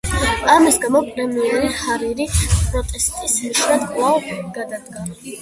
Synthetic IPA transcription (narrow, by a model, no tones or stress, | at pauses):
amisɡamɔpʼɾɛmiɛɾihaɾiɾipʼɾɔt̪ʼɛst̪ʼisniʃnad̪kʼlˠavɡ̥ad̪ad̪ɡa